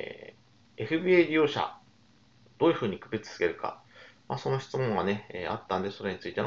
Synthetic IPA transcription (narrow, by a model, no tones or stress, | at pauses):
e̞ɸɯ̟bieɾʲijo̞ːɕa̰ | d̪̥o̞ːjɯ̟ɸɯ̟ːɲ̟ikɯ̟bet͡sɨ̥sɨ̥ɡe̞ɾɯ̟ka̰maːso̞no̞ɕi̥t͡sɨmõ̞ŋ̃ɡane̞ḛa̰t̪ːãnd̪e̞so̞ɾe̞ɲ̟it͡sɨit̪en